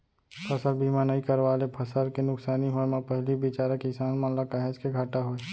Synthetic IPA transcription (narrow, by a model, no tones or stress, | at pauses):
pʰɐsəlbʱimãnaikɐɾʋaːlepʰɐsəlkenʊksaːniɦomãpɛɦlibɪt͡ʃaːɾəkɪsaːnmanlakaɦeskeɡʱaːʈaɦoeː